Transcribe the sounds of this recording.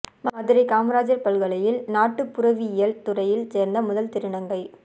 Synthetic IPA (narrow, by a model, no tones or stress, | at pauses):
maɐðɪɾɐkaːmɾaːd͡ʒɐɾpɐlɣɐɭɐjɪlnaːʈːɯpːʊɾɐʋiɪjɐlt̪ʊrɐjɪlseːɾnd̪ɐmʊðɐlt̪ɪɾɪɳɐŋɡɐɪ